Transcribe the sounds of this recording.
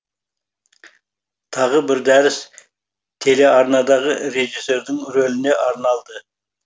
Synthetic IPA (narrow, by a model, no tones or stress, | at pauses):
t̪ʰɑʁəbɪɾd̪æɾɪs | t̪ʰe̞le̞ɑɾnɑd̪ɑʁəɾe̞ʒise̞ɾd̪ɪŋɾolɪne̞ʔɑɾnɑlˠd̪ə